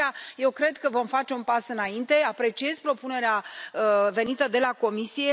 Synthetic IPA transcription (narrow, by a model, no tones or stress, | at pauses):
aje̞wkɾe̞d̪kəvo̞mfat͡ʃe̞unpasɨnaint̪e̞apɾe̞t͡ʃije̞zpɾo̞pune̞ɾeaəve̞nit̪əd̪e̞lako̞misije̞